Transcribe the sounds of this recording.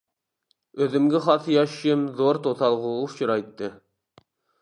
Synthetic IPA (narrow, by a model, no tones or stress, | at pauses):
øðɪmɡʲɪχɑθjɑʃjɪmzoɾt̪ʰot̪ɑlˠʁolˠufʃiɾɑjt̪ːɨ